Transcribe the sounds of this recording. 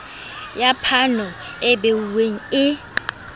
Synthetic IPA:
japʰanɔ | ɛbeuweŋ̩ɪ

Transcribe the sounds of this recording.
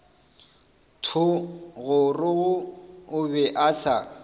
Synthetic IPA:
tʰʊɣʊrʊɣʊʊbɛʔasa

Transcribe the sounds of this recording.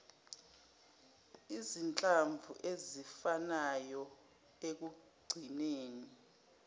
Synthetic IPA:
izint͡ɬʼaɱvʱuʔezifanajɔ | ek̬u | ɡ͡ǀʱineːni

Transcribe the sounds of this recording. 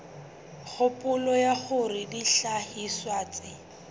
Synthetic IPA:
k͡xʰʊpʼʊlɔjaχʊrɪdiɬahiswaːt͡sʼɪ

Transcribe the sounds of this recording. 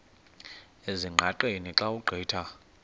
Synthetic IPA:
eziŋ͡ǃʱaǃeniǁauɡ͡ǃʱiːtʰa

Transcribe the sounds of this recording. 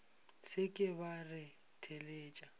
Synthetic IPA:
sɪkʼɪbarɪ | tʰeleːt͡ʃʼa

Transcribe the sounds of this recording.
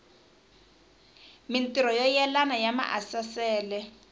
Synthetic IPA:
mintiɾɔjɔjɛlanajama̰ʔasasɛːlɛ

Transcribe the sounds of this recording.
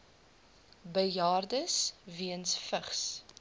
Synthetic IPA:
bəjɑːrdəsviənsfəχs

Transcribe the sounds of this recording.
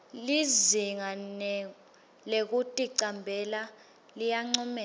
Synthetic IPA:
liziŋan | lek̬utʼiǀambʱɛla | lijaŋ͡ǀɔmɛː

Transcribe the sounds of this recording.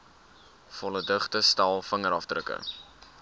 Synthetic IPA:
fɔlədəχtəstælˠfəŋəɾɑfdrəkə̰

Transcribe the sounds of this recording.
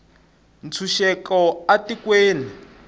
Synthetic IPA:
nt͡sʰuʃɛkɔatikweːni

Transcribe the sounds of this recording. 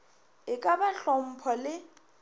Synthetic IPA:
ɪkʼabaɬɔm̩pʰɔlɪ

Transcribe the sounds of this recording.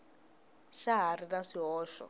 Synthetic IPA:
ʃaɦarinaʂiɦɔːʃɔ̰

